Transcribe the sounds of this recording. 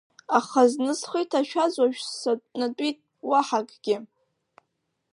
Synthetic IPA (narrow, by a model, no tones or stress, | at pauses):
aχaznɨzχijtʰaʃᶣazwaʒᶣsnatʼitʼ | waħakʼɡ̥ʲɪ